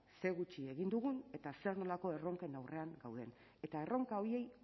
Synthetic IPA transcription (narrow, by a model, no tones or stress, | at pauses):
se̞ɣut͡ʃie̞ɣind̪uɣ̞une̞t̪ase̞rno̞lako̞e̞ro̞ŋke̞nawre̞aŋɡawð̞e̞n | e̞t̪ae̞ro̞ŋkao̞ie̞j